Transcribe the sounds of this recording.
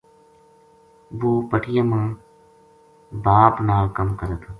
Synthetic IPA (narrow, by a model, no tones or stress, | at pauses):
ʋuːpəʈʰɪjəmãː | baːpnaːkəmkəɾət̪ʰ